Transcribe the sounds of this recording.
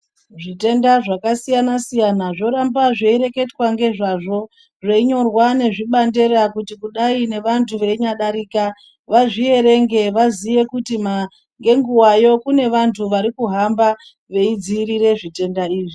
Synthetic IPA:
ʐite̞ndaʐakasijanasijanaʐo̞ɾambaʐeiɾe̞ke̞twaŋɡe̞ʐaʐo̞ | ʐeiɲo̞rwane̞ʐiɓande̞ɾakutikuɗaine̞ʋantʰuʋeiɲaɗaɾiːka | ʋaʐie̞ɾe̞ŋɡe̞ʋazije̞kutima | ŋɡe̞ŋɡuwajo̞kune̞ʋantʰuʋaɾikuɦamba | ʋe̞id͡ziɾiɾe̞ʐite̞ndaiːʐi

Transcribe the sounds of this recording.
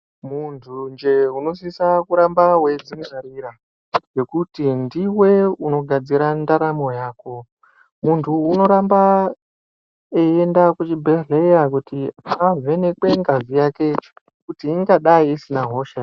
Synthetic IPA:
muntʰund͡ʒe̞uno̞s̬isakuɾambaɦwe̞d͡ziŋaɾiɾa | je̞kutindiwe̞uno̞ɡʱad͡ziɾandaɾamo̞jaːko̞ | muntʰuːno̞ɾamba | eendakut͡ʃibʱeɮejakutiave̞nekwe̞ŋɡavijaket͡ʃe̥ | kutiːŋɡaɗaiːsinaɦo̞ʃa

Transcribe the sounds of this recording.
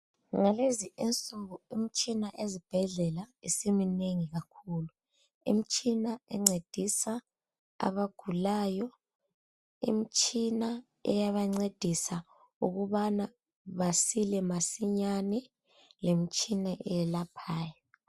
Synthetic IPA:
ŋaleziint͡sʼuɣuimit͡ʃʼinaʔezib̥ʱɛɮɛlaisimineŋiɣakʰuːlu | ḭmit͡ʃʼinaɛŋ͡ǀed̥ʱisa | a̰βaɡ̥ʱulaːjɔ | ḭmit͡ʃʼina | ɛ̰jaβaŋ͡ǀed̥ʱisa | uɣuβana | βasilɛmasiɲanɛ | lemit͡ʃʼinaʔɛjɛlapʰaːjɔ

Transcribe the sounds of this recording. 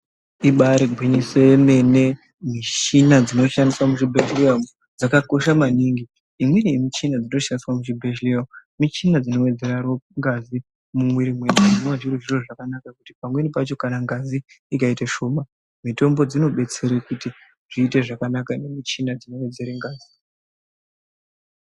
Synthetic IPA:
iɓaɾeɡʱwiɲisenene̞ | miʃinad͡zino̞ʃandiswamuʐibʱeʃliamu | d͡zakako̞ʃamaniːŋɡiː | mwenijemit͡ʃinad͡zino̞ʃaniswamut͡ʃibʱeʃliamumit͡ʃinad͡zino̞we̞d͡ze̞ɾaɾoŋɡazi | mumwiɾimwenainwaʐiruʒiroʐakanakakuti̥pamwe̞nipat͡ʃo̞kanaŋɡazi | ikaitaʃo̞ːma | mito̞mbo̞d͡zino̞ɓe̞t͡se̞ɾekuti | ʐ̥iːte̞ʐakanakane̞mit͡ʃinad͡zino̞we̞d͡ze̞ɾeŋɡaːzi

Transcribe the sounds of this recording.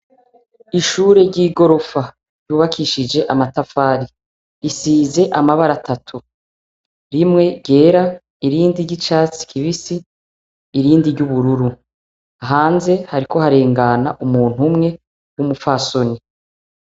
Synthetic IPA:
iʃuːɾe̞ɾɟiːɡo̞ɾo̞fa | ɾjuːβakʰiːʃid͡ʒe̞ʔamatafaːɾi | isiːze̞ʔamaβaɾatatʰu | ɾimŋe̞ɟe̞ːɾa | iɾiːndiɾɟit͡ʃaːt͡si̥kʰiβisiː | ɾiːndiɾɟuβuɾuɾu | aɦaːnze̞haɾiko̞haɾe̞ːŋɡana̰ʔumuːn̥humŋe̞ | wumufaːso̞ni

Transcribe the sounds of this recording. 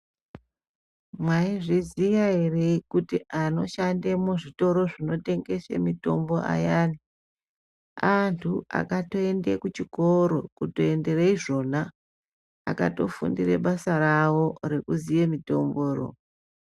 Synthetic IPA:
mwaiʐizijaereikutiʔano̞̰ʃandemoʐito̞ɾo̞ʐino̞te̞ŋɡe̞ʃḛmito̞̰mbo̞ʔa̰jaːni | antʰua̰kato̞e̞ndekut͡ʃiko̞ɾo̞kuto̞ende̞reiʐo̞na̰ː | kato̞̰fṵndirḛɓasarawo̞ɾe̞kuziemito̞mboːro̰

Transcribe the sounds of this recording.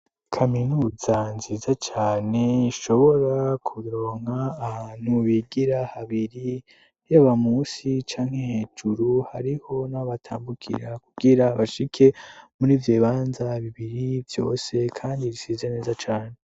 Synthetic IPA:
kʰaminuzanziːzat͡ʃaːne̞iʃo̞βo̞ɾakʰuɾo̞ːŋ̥haːhaːn̥huβiɡiɾahaβiɾi | jaβamuːsit͡ʃaːŋheheːd͡ʒuɾuhaɾiho̞naβatʰaːmbukʰḭɾakuɡiɾaβaʃikʰe̞muɾiːvjeːβaːnzaβiβiɾivjo̞̰ːse̞kʰaːndiɾisiːzene̞ːzat͡ʃaːne̞

